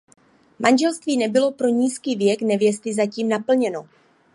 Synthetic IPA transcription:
mʔanʒɛlst̪viːnɛbɪlo̞pɾo̞ɲiːskiːvjɛknɛvjɛst̪ɪzaciːmnapl̩ɲɛno̞

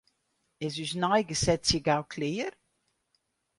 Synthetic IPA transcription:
ɛz̬ysnajɡəsɛtsjəɡawkʰleːər

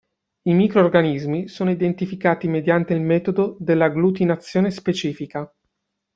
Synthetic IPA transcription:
imiːkɾoːrɡanizmisoːnoid̪ent̪ifikaːt̪imed̪jant̪eilmɛːt̪od̪od̪elːaɡlut̪̬inat̪sːjoːnespet͡ʃiːfika

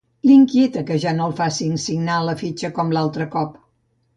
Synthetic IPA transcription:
liŋkiet̪əkəʒanolˠfasinsiɡnaləfit͡ʃəkɔmlalˠt̪ɾəkɔp

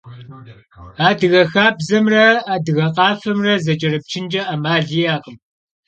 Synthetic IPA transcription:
aːdɨɣɐxaːbzɐmrɐaːdɨɣɐqɑːfɐmrɐzɐt͡ʃʼɐɾɨp̚t͡ʃʰɪnt͡ʃʼɐʔɐmaːɮijaːqʼəm

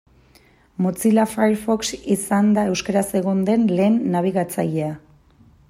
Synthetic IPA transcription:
mut͡silafajɾfo̞ksisand̪ae̞wskaɾase̞ɣ̞o̞nd̪e̞nle̞ːnːaβ̞iɣat͡sa̰jea

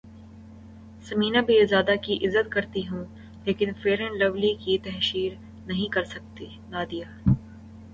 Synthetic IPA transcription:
sɐmiːnabʱiezaːd̪akiʔɪzːət̪kɐɾt̪iɦũ | leːkɪnfeːɾə̃nlɐʋlikit̪ɐɦʃiːɾ | nɐɦĩkɐɾsɐk̚t̪i | naːd̪ijaː

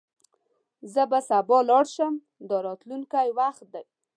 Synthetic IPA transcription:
zəbasabɑlɑɽʃəm | d̪əɾɑt̪lunkajwaxt̪̚d̪aj

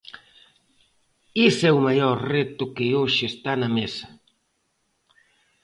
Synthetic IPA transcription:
isɛumajɔɾret̪ʊkɪoʃɪːst̪anɐmesɐ̥

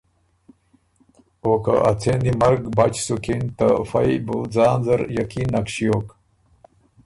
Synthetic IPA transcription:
oka̰ʔat͡sʰend̪imɐɾɡbat͡ɕsukint̪afɐjbud͡zaːnzɐɾjakinːakɕijoːk

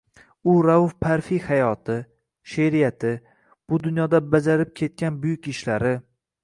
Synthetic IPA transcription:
ʊɾavʊfpʰaɾfihajɒt̪ʰɪ | ʃeɾijat̪ʰɪ | b̥ʊd̪ʊnjɒd̪abad͡ʒaɾɪp̚kʲʰe̞t̪̚kʲanbʊjʊkʲɪʃlaɾɪ

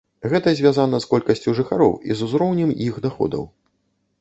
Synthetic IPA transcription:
ɣɛt̪ɐzʲvʲjazanɐskɔlʲkɐsʲt͡sʲuʐɨxaɾɔ̰wḭzuzɾɔwnʲɛmjixɣd̪axɔ̰d̪ɐ̰w

